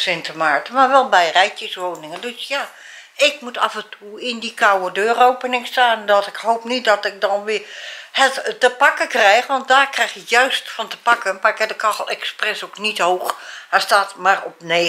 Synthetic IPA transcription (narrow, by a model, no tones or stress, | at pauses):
sɪntʰəmaɹtəmarʋɛlˠbɛjrɛjtjəsʋoːnɪŋəndøsja | ɪkmutafəntʰuɪndikʰawədøːroːpənɪŋstaːndɔtɪkhoːpnit̚dɔtɪk̚dɔnʋɪhətːəpakəkrɛjxʋɔnt̚daːrkrɛxjɪkjœɥstfɔntə̥pakənmakɛdəkʰɔxəlˠɛksprɛsoknithoːxhastaːtmarɔpne